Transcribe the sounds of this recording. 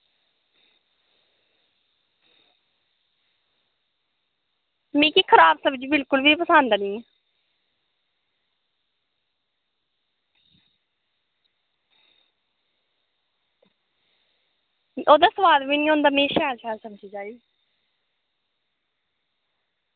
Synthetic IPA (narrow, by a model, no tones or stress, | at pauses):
mẽːkiːkʰəɾaːbsəbd͡ʒiːbɪlkʊlbiːpəsãːnd̪aːnĩːɛ | oːd̪aːsəʋaːd̪ʋiːnĩːɦõːnd̪aːmẽːʃɛːɾʃɛːɾsəmd͡ʒiːd͡ʒaːiː